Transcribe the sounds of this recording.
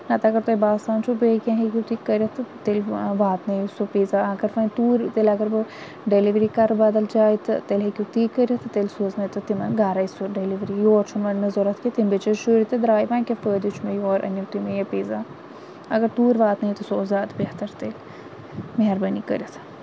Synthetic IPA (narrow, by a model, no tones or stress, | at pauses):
ɐt̪ɐɡɐɾt̪ɐjʲbaːst̪aːnt͡ʃʰubeːkʲɐ̃ɦekʲut̪iːkːəɾʲɐt̪ʰt̪elʋaːt̪nɐjsopiːzaɐɡɐɾfɐnt̪uːɾʲt̪elɐɡɐɾbɨ | ɖeliʋɾiːkɐɾbɐd̪ɐld͡ʒaːjt̪t̪elɦekʲut̪iːkːəɾʲɐt̪ʰɨt̪elsuznɐjt̪ɨt̪imɐ̰nɡaːɾɐjsoɖeliʋɾijoːɾt͡ʃʰunʋɐnnɐzoɾɐt̪ʰket̪imbet͡ʃɐʃuːɾʲit̪ed̪ɾaːjʋãːnʲkʲefəːd̪ut͡ʃʰmejoːɾʔɐ̰nɐmt̪umejɐpiːzaː | ɐɡɐɾt̪uːɾʋaːt̪nɐit̪usoozaːd̪beht̪ɐɾt̪el | meɦɐɾbɐnikəɾʲjɐt̪ʰ